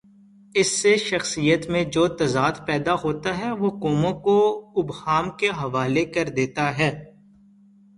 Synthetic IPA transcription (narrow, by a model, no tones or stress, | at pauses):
ɪsːeʃɐxsijət̪mẽd͡ʒoːt̪ɐzaːd̪pɛːd̪aɦoːt̪aɦɛʋoːkɔːmõkoʊbhaːmkeɦɐʋaːlekɐɾd̪eːt̪aɦɛː